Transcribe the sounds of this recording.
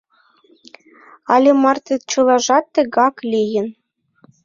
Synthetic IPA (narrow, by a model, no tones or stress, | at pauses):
ɑlʲemɑrt̪et͡ɕɤ̆lˠɑʒɑt̪ːə̆ɣɑklʲijə̆n